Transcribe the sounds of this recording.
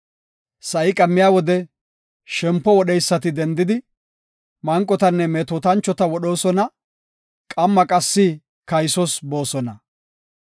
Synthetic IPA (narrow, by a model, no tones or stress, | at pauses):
sɐɪkʼɐmːɪjaːwɔd̪ɛ | ʃɛmpːɔwɔɗɛjsːɐt̪ɪd̪ɛnd̪ɪd̪ɪ | mɐŋkʼːɔt̪ɐnːɛmeːt̪oːt̪ɐnt͡ʃːɔt̪ɐwɔɗo̞ːsɔnɐ | kʼɐmːɐkʼɐsːɪ | kɐjsɔsbo̞ːsɔnɐ